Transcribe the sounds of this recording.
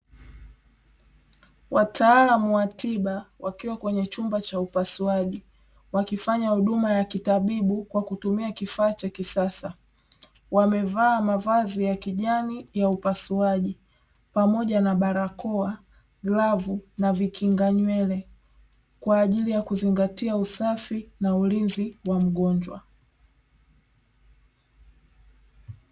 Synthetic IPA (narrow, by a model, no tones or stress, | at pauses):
wʔataːlamuwatiɓawakiwakwɛɲɛt͡ʃumbat͡ʃaupasuaʄi | wakifaɲahuɗumajakitaɓiɓukwakutumiakifaːt͡ʃakisasa | wamɛvaːmavazijakiʄanijaupasuaʄi | pamɔʄanaɓaɾakɔa | ɡlavunavikʰiŋɡaɲwɛlɛ | kwaːʄilijakuziŋɡatiausafinaulinziwam̩ɠɔɲd͡ʒwa̰